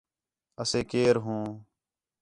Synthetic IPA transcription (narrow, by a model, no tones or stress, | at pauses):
əseːkeːɾɦũː